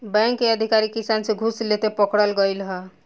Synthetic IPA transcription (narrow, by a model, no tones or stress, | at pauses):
bɛ̃ŋkːeəd̪ʱikaɾikisansẽɡʱuslet̪epəkɽəlɡəjlɦə